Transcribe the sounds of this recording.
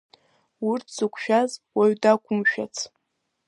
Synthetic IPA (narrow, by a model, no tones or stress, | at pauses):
ʊrtʰsɨkʷʰʼʃᶣazwaɥdakʷʰʼʊmʃᶣat͡sʰ